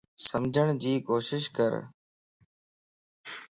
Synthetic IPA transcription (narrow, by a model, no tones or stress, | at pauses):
səmd͡ʑʱəɳ̃d͡ʑiːkoːʃɪʃkə̰ɾ